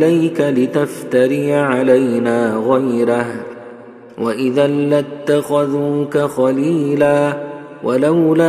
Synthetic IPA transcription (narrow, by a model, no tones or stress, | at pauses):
lajkalɪt̪aft̪aɾɪjʕalajnaːɣajɾah | wʔaʔɪðallːat̪ːaxaðuːkaxɑliːlaː | wʔalawla